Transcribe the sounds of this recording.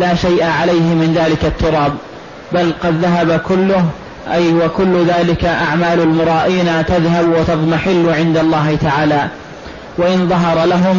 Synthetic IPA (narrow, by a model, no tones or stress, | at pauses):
laːʃajʔaʕalajhɪmɪnðaːlɪkat̪ːʊɾˤɑːb | balqɑd̪ðaɦabakʊlːʊɦ | ʔajwakʊlːʊðaːlɪkaʔaʕmaːlalmʊɾˤɑːʔiːnat̪aðhabwat̪ɑt̪ˤmaħɪlːʊʕɪnd̪alˤːɑːhɪt̪aʕaːlaː | waʔɪnðˤɑɦɑɾˤɑlaɦʊm